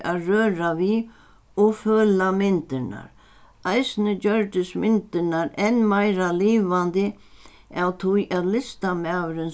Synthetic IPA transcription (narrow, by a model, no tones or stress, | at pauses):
aðrœːɾavi | ɔɣfœːlamɪnt̪ɪna̰ɾ | ajsnɪt͡ɕœɹt̪ɪsmɪnt̪ɪnaɾɛnmajɾaliːʋant̪ɪ | awt̪ʰʊjʔaðlɪst̪amaːwɾɪn